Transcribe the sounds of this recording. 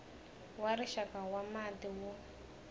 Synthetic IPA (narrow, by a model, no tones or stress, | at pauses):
waɾiʃakawamatiwɔ